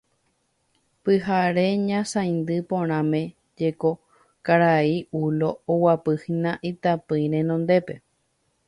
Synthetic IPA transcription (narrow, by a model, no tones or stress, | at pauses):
pɨɦaɾe̞ɲãsãjnd̪ɨpõɾ̃ãmẽ̞ | d͡ʒeko̞ | kaɾaiulo̞ːwapɨhinãʔit̪apɨjɾẽnõnd̪e̞pe̞